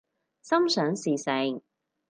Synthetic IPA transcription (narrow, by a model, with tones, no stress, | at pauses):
sɐ˥msœː˨˥ŋsiː˨˩sɪ˨˧˩ŋ